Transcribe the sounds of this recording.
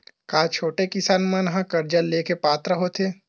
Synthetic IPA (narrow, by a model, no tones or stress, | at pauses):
kaːt͡ʃʰoːʈekɪsaːnmɐ̃nɦãkɐɾd͡ʒəlːeːkepaːt̪ɾəɦoːt̪ʰeː